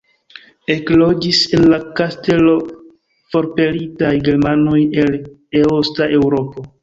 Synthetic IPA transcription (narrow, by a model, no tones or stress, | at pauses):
e̞klo̞d͡ʒise̞nlakaste̞lo̞ | fo̞ɾpe̞ɾitajɡe̞ɾmano̞je̞l | eostaʔe̞wɾo̞po̞